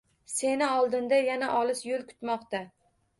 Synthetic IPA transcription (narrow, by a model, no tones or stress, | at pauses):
se̞nɪɒlˠd̪ɪnd̪ajanaʔɒlɪsjolˠkʰʊ̥t̪mɒqt̪a